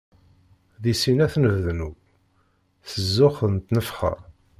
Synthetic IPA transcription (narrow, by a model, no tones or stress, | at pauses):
ðisinæθnəvðnu | θəzːʊχənt̪nəfχə̰ɾ